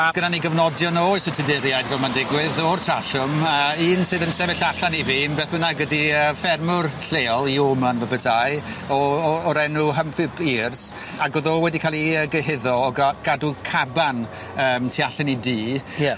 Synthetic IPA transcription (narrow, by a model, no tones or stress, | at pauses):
aɡ̥ənaniɡəvnɔdjɔnɔisɪtʰɪdɪɾjaɨdvɛmandɪɡwɪðɔrtʰraɬʊməiːnsɨːðənsɛvɪɬaɬaniviːmbɛθənaɡədiəːfɛrmʊrɬeːɔlˠiomanvəbətʰaj | ɔːɾɛnuɦəmfɪbʰiːrs | aɡoðɔwɛdikʰalˠiəɡəɦɪðɔɔɡaɡ̥adukʰaban | əːmtʰiaɬɪnidiːj